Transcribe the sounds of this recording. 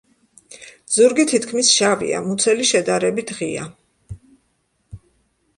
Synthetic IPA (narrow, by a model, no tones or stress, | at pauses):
z̥uɾɡit̪ʰit̪kʰmisʃavḭa̰mut̪sʰɛliʃɛd̪aɾɛbit̪ʰʁia̰